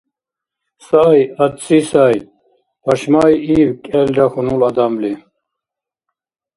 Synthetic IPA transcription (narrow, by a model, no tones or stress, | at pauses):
saːjad̪sʼisaːj | pʰaʃmajiːwkʼɛlɾaxunulad̪amli